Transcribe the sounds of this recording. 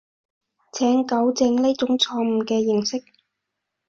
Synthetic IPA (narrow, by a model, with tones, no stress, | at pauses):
t͡sʰɛː˨˥ŋkɐ˨˥wt͡sɪ˧ŋliː˥t͡sʊ˨˥ŋt͡sʰɔː˧m̩˨˩kɛː˧jɪ˨˩ŋsɪ˥k̚